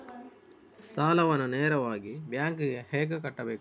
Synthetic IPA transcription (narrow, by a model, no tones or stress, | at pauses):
saːlɐʋɐnːuneːɾɐʋaːɡibjaːŋkɯɡehɛːɡɐkɐʈːɐbeːku